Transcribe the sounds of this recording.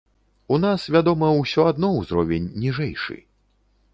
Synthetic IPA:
unasvʲad̪ɔmɐwsʲɔad̪nɔwzɾɔvʲenʲːiʐɛjʂɨ̰

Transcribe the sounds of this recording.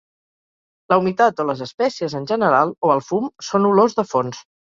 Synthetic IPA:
ləumit̪at̪oləzəspɛsiəzənʲʒənəɾalˠoəlˠfumsonulozðəfons

